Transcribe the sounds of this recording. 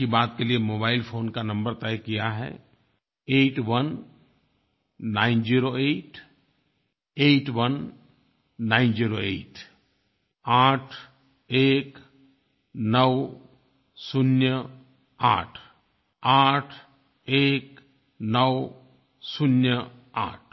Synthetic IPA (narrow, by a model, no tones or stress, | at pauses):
ibaːt̪̚keliemoːbaːɪlfʰoːnkanɐ̃mbəɾt̪ɛːkijaɦɛ̰ː | eːʈʋɐn | ãːɪnd͡ʒiːɾoeːʈ | eːʈʋənː | ãːɪnd͡ʒiːɾoeːʈ | aːʈʰ | eːk | nəw | sʊnjə | a̰ːʈʰ | aːʈʰ | eːk | nəʋ | sʊnjə | a̰ːʈʰ